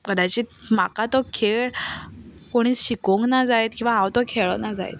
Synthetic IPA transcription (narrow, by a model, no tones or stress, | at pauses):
kəd̪ajt͡ɕiːm̤akat̪ɔkʰeɭ | koɽ̃iːɕikoŋknad͡zajt̪̚kĩw̃ʋaɦãwt̪ɔkʰeɭɔnad͡za̰j̰t̪̚